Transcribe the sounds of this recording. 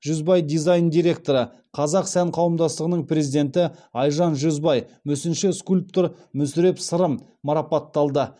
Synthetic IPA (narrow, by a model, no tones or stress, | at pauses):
ʒ̥ɵzbɑjd̪ijzɑjnd̪ijɾe̞k̚t̪o̞ɾə | qʰɑzɑqsæɴqʰɑwəmd̪ɑst̪əʁənəɴpʰre̞zid̪e̞nt̪ɪɑjʒɑnʒɵzbɑjmɵsɪnʃɪskulʲp̚t̪oɾ | mʏsɪɾe̞psəɾəm | mɑɾɑpɑt̪ːɑlˠd̪ə